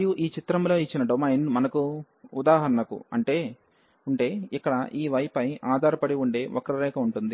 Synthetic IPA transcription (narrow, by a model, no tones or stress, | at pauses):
juʔiːt͡ʃit̪ɾɐmlo̞ːit͡ʃːinɐɖomɐjnmɐnɐku | ud̪aːɦɐɾɐɳɐkṵɐ̰ɳʈe̞ː | uɳʈe̞ːikːɐɽɐʔiːʋɐjɐpɐjaːd̪ʱaːɾɐpɐɽiuɳɖe̞ːʔɔkːɐɾɐɾɛːkɐuɳʈund̪i